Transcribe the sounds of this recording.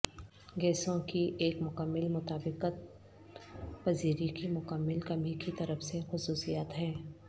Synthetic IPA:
ɡɛːsõkiʔeːkmʊkəmːɪlmʊt̪aːbɪqət̪̚ | pɐziːɾikimʊkəmːɪlkɐmikit̪ɐɾəfsexʊsuːsijaːt̪ɦɛ̃ː

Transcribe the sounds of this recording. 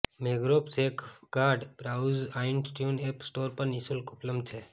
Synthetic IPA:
meːɡɾoːpseːkɡaːɖbɾaːzaːɪnʈjuːneːpsʈoːɾpɐɾnisulkʊpləmt̪ʰeː

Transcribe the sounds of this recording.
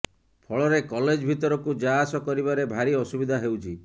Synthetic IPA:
pʰɔɭɔɾekɔled͡ʒbʱit̪ɔɾɔkud͡ʒaɦasɔkɔɾibaɾebʱaɾiɔsubid̪ʱaɦewt͡ʃʰi

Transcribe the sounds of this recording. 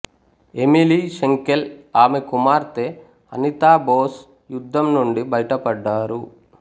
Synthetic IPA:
e̞miliʃeŋkelaːmekumaːɾt̪eː | ɐ̰nit̪aːboːs | jud̪ʱːɐmnuɳɖibɐjʈɐpɐɖːaːɾu

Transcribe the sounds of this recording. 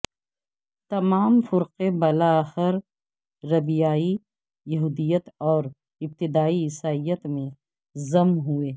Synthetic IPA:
t̪ɐmaːmfʊɾqebɐlaxɪɾ | ɾɐbijaːi | jɐɦuːd̪ijət̪ɔːɾ | ɪb̚t̪ɪd̪aːiɪsaːijət̪mẽ | zɐmnɦueː

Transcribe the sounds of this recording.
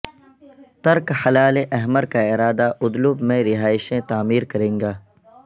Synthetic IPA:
t̪ɐɾkhɐlaːleʔɐɦməɾkaɪɾaːd̪aʔʊd̪lʊbmẽɾɪɦaːɪʃẽt̪aːmiːɾkɐɾẽːŋɡaː

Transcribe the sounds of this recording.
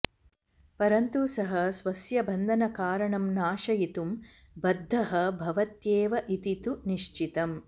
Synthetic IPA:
pɐɾɐnt̪usɐɦɐsʋɐsjɐbʱɐnd̪ʱɐnɐkaːɾɐɳɐmnaːʃɐjit̪um | bɐd̪ʱːɐɦɐbʱɐʋɐt̪jeːʋɐʔit̪it̪uniʃt͡ʃit̪ɐm

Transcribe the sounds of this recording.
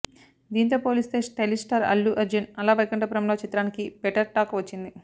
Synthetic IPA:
d̪iːnt̪̬o̞ːpoːlist̪e̞ːsʈelisʈaɾɐ̰lːuʔɐɾd͡ʒɐnɐlaːʋɐjkɐɳʈɐpɐɾɐmlo̞ːt͡ʃit̪ɾaːnikibɛʈɐɾʈaːkʋɐt͡ʃːind̪i

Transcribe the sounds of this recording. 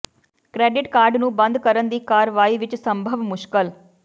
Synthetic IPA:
kɾɛːɖɪʈkaːɾɖnũːbə̃nd̪kəɾənd̪iːkaːɾʋaːiːʋɪt͡ʃsə̃mbʱəʋmʊʃkəl

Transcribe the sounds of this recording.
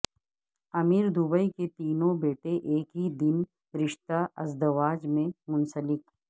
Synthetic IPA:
ɐmiːɾd̪ʊbəiket̪iːnõbeːʈeʔeːkɦid̪ɪn | ɾɪʃt̪aʔɐzd̪ɐʋaːd͡ʒmẽmʊ̃nsəlɪk

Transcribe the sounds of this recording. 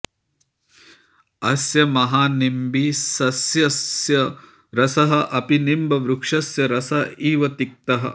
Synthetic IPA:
ɐsjɐmɐɦaːnimbiːsɐsjɐsjɐ | ɾɐsɐɦɐ̆ʔɐpinimbɐʋɾukʂɐsjɐɾɐsɐiːʋɐt̪ik̚t̪ɐɦɐ̰

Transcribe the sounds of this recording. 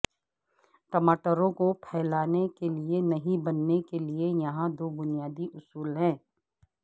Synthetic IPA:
ʈɐmaːʈəɾõkopʰɛːlaːnekelienɐɦĩbɐnːekeliejɐɦãd̪oːbʊnijaːd̪iʔʊsuːlɦɛ̃ː

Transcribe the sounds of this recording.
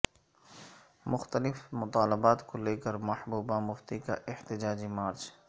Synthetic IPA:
mʊxt̪əlɪfmʊt̪aːlɪbaːt̪koleːkəɾmɐhbuːbãmʊft̪ikaʔɪht̪ɪd͡ʒaːd͡ʒimaːɾt͡ʃ

